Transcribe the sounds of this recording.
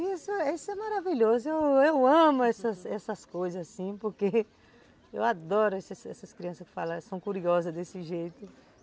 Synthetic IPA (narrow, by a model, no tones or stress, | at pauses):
isʊisʊɛmaɾaviʎozʊewewɐ̃mʊɛsɐsɛsɐskojzɐzasĩpoɾke | ewad̪ɔɾʊɛsɐsɛ̰sɐskɾiɐ̃sɐskɪ̥falɐ̃sɐ̃w̃kuɾiɔzɐzd̪esɪʒejt̪ʊ